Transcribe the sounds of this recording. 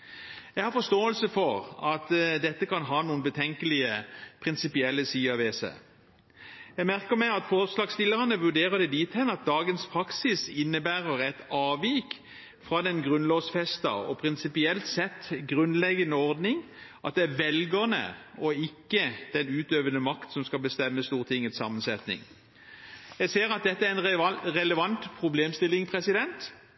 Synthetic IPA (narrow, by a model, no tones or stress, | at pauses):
jæɪɡhɑɾfɔʂst̪oːəlsəfɔʁɑt̪d̪ɛt̪ːəkʰɑnɦɑːnuːənbət̪ʰɛŋkəlɪəpʰɾɪnsɪpɪɛlːəsiːɑʋeːsə̰ | jæɪmæʁkəɾmæɪɑt̪fɔʁslɑːɡst̪ɪləʁɑnəʋʉɖ̪eːʁəd̪ɛd̪iːt̪hɛnɑt̪̚d̪ɑːɡənspʰɾɑksɪsɪnːəbæːʁəɾɛt̪ɑːʋiːk | fʁɑd̪ɛnɡʁʉnloːʋsfɛst̪ɑ̰ɔ̰pʰʁɪnsɪpɪɛlt̪sɛt̪ːɡʁʉnlɛɡənəɔʁd̪nɪŋ | ʔɑt̪̚d̪ɛæʋɛlɡəʁnə̰ɔɪkːəd̪̥ɛnʉːt̪øːʋənəmɑkt̪sɔmskɑlbəst̪ɛmːəst̪uːʁt̪ʰɪŋːət̪sɑ̰ːmənsɛt̪nɪ̰ŋ | jæɪseːɾɑt̪̚d̪ɛt̪ːəæɾɛnɾɛləʋɑnt̪pʰɾʊbleːmst̪ɪlːɪŋpʰʁɛsɪd̪ɛnt̪